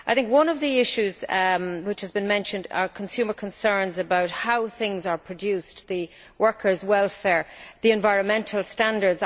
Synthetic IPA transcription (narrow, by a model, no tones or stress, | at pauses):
aɪθɪ̃ŋkwʌ̃nʌvðiɪʃʉzwɪt͡ʃhəzbɨ̃nmɛ̃nʃə̃ndə̰kʰə̃nsʉmə˞kʰə̃nsɜ̃˞nzəbaʊt̚haʊθɪ̃ŋzə˞pʰɹ̥ɨdjʉsðə | wɜ˞kʰə˞zwɛlˠfɛɹðiɛ̃ɱvaɪɹə̃nmɛ̃ntʰəl̩ˠstãndə˞dz